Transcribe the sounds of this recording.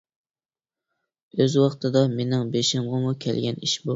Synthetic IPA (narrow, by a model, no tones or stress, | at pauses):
øzwɑχt̪ʰɨd̪ɑmenɪŋbeʃɪmʁɑmukʲʰɛ̰lɡʲɛniʃbu